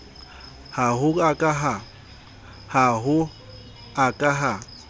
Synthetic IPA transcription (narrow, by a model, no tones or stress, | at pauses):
haɦʊakʼaɦa | haɦʊ | akʼaɦa